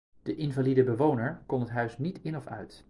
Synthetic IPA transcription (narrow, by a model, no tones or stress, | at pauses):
d̥əʔɪnvalidəbəʋownəɹkɔnɦətɦœɥsnitɪnɔfœ̰ɥt